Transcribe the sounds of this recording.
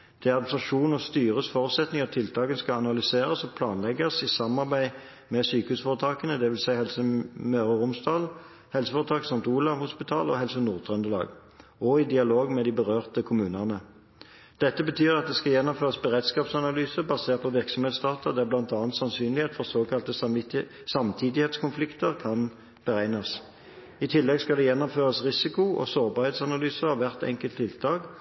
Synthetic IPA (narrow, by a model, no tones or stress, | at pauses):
d̪̥ɛʁsɑʃuːnɔst̪yːʁəsfoːʁʉt̪sɛt̪nɪŋɔt̪ʰɪlt̪ʰɑːkənskɑɑnɑlʏseːʁəsɔpʰlɑːnlɛɡəsɪsɑmːɑʁbæɪ | mɛsyːkəhʉːsfɔːʁət̪ʰɑːkənəd̪ɛʋɪlsæɪhɛlsəmøːʁəʁʊmsd̪ɑːl | hɛlsəfoːʁət̪ʰɑːksɑnt̪uːlɑʋhʊspɪt̪ʰɑ̰ːlɔ̰ɦɛlsənuːʁt̪ʰʁɛnd̪əlɑ̰ːɡ | ɔɪd̪ɪɑloːɡmɛd̪ibəʁøːʁt̪əkʰʊmʉːnəʁnə | d̪̥ɛt̪ːəbət̪ʰyːʁɑt̪̚d̪ɛskɑjɛnːɔmføːʁɑsbəʁeːd̪skɑːpsɑnɑlyːsəbɑseːʁt̪̚pʰɔʋɪʁksɔmheːt̪sd̪ɑːt̪əd̪ɛæblɑnt̪ɑːnt̪sɑnsyːnlɪeːt̪fɔʁsoːkʰɑlt̪ə | sɑmt̪ʰiːd̪ɪheːt̪skʰʊnflɪkt̪əʁkʰɑn | b̥əʁæɪnɑs | ɪt̪ʰɪlːɛɡskɑld̪ɛjɛnːɔmføːʁɑsʁɪsɪkʊɔ̰soːʁbɑːʁheːt̪sɑnɑlyːsəʁɑʋæʁt̪ɛ̰ŋkəlt̪ʰːɪlt̪ʰɑːɡ